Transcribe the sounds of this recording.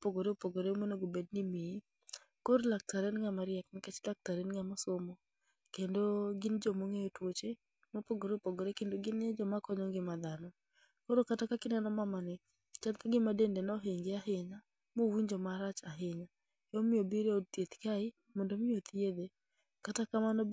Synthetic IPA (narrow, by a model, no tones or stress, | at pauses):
poɡoɾeopoɡoɾeomonoɡobednɪmii | koɾlak̚taɾenŋamaɾɪɛknɪkɛt͡ʃdak̚taɾenŋamɔsomo | kendoɡɪnd͡ʒɔmoŋejotwot͡ʃe | mɔpoɡoɾeopoɡoɾekendoɡɪned͡ʒɔmakɔɲɔŋɡɪmad̪anɔ | koɾokatakakɪnɛnɔmamanɛ | t͡ʃankaɡɪmadendenɔɦeŋɡeaɦɪɲa | mowiɲd͡ʒɔmaɾat͡ʃaɦɪɲa | jomɪobiɾeodt̪jet̪kaɪ | mɔndomɪot̪ʰied̪e | katakamanɔ